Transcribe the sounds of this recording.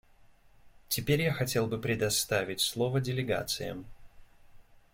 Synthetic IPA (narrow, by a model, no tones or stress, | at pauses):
tʲɪpʲeɾʲjaxɐtʲe̞lˠbɨpɾʲɪd̪ɐst̪avʲɪtʲslˠovədʲɪlʲɪɡa̰t̪sɨ̰jə̰m